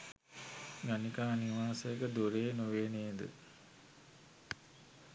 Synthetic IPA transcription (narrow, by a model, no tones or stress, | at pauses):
ɡanikaːniʋaːsəjəkəd̪uɾeːnuʋeːneːd̪ə̰